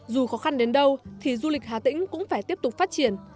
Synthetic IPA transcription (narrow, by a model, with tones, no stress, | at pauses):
zu˨˩xɔ˨˦xa˧nɗe˨˦nɗə˧wt̪ʰi˨˩zu˧lï˨˩k̟̚ɦaː˨˩t̪ḭ̈˧˥ŋ̟kʊ̰˧˥ŋ͡mfaː˧˩jt̪i˦˥əp̚t̪ʊ˨˩k͡p̚faː˦˥t̚t͡ɕi˧˩ən